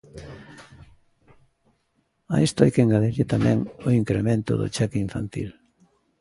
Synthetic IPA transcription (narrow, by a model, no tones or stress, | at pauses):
a̰ist̪ʊajkeŋɡaleɾit̪amɛ̰̃ŋoiŋkɾemẽnt̪ʊ̰ðʊ̰t͡ʃɛkiɱfa̰nt̪ḭl